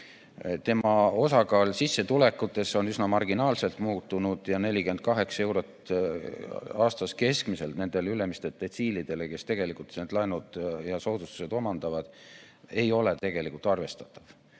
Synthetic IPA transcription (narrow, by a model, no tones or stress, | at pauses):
t̪e̞mɑo̞sɑkɑːlsisːet̪ule̞kːˑut̪ːˑe̞so̞nysnɑmɑrɡinɑːlse̞lt̪muːt̪ːˑunud̪̥jɑne̞lʲike̞nd̪̚kɑɦe̞ksɑe̞wɾo̞t̪ | ɑːst̪ɑske̞skmise̞lt̪ne̞nd̪̥e̞lyle̞mist̪et̪ːˑet̪siːlid̪̥e̞leke̞st̪e̞ɡ̥e̞likult̪seːd̪lɑjnud̪̥jɑso̞ːd̪̥ust̪u̥se̞d̪o̞mɑnd̪̥ɑvɑd̪̥ | e̞jo̞le̞t̪e̞ɡe̞likˑult̪ˑɑrve̞st̪ɑ̥t̪ːˑɑ̥v̥